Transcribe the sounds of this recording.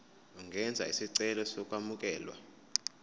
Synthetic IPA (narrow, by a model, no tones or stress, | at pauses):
uŋɡʱɛnd͡zʱa̰ḭsiǀɛlɔsɔkʼwamuk̬ʼɛːlwa̰